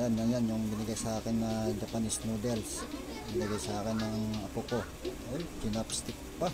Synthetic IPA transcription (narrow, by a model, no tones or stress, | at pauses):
janːɐŋjanjʊŋbɪnɐɡajsɐʔaːkɪnːɐd̪ɐpanɪsnud̪ɛls | bɪnɐɡajsɐʔaːkɪnːɐŋɐpoko | ojd͡ʒʊnapst̪ɪk̚pa